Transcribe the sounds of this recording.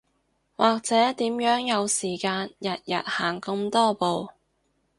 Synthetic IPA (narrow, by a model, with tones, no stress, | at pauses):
wʔaː˨k̚t͡sɛː˨˥t̪iː˨˥mjœː˨˥ŋjɐ˨˧wsiː˨˩kaː˧njɐ˨t̚jɐ˨t̚haː˨˩ŋkɐ˧mt̪ɔː˥po˨˧w